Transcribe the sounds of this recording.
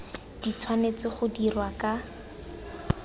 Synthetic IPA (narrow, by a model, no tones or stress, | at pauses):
d̥it͡sʰwanet͡sɪχʊdirwaka